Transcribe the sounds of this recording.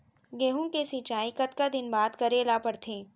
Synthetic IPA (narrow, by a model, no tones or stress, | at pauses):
ɡeːɦũkesit͡ʃaːikɐt̪kad̪ɪnbaːd̪kɐɾelapɐɽt̪ʰẽː